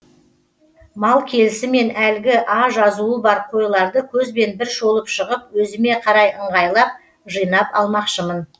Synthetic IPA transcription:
mɑlˠkʲʰe̞lɪsɪme̞nælɡʲɪʔɑʒɑzuəbɑɾqʰo̞jlˠɑɾd̪əkʲʰɵzbe̞nbɪɾʃo̞lˠəpʃəʁəp̚wɵzɪme̞qʰɑɾɑjəɴʁɑjlˠɑp̚ | ʒəjnɑpɑ̰lˠmɑqʃəmən

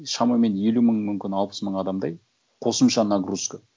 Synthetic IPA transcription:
ʃɑmɑme̞ne̞luməɴmʏmkʲɪnɑlˠpə̥sməɴɑd̪ɑmd̪ɑj | qʰo̞səmʃɑnɑɡruskə

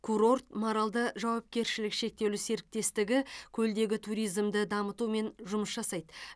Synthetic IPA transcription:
kʰuɾo̞rt̪moɾɑlˠd̪əʒɑwɑp̚kʲe̞ɾʃɪlɪkʃe̞k̚t̪e̞lɪse̞ɾɪk̚t̪e̞st̪ɪɡʲɪkʲʰɵld̪e̞ɡʲɪt̪ʰuɾijzmd̪ɪd̪ɑmət̪ume̞nʒʊməsʒɑsɑjd̪ə

